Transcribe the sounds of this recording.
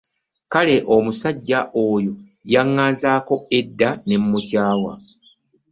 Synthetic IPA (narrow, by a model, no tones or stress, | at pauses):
kale̞ʔo̞musaɟːaʔo̞ːjo | jaŋːaːnzaːko̞e̞dːane̞mːutjaːwa̰